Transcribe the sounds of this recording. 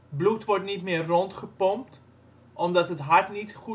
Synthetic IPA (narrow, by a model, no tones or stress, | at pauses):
blutʋɔɹtnitmɪːərːɔntχəpɔmp̚t | ʔɔmdɔtətɦartnitχu